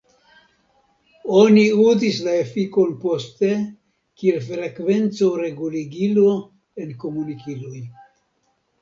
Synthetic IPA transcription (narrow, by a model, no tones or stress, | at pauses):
oniuzislaefiko̞npo̞st̪e | kielfɾe̞kve̞nt͡soɾe̞ɡuliɡilo | enkomunikiloj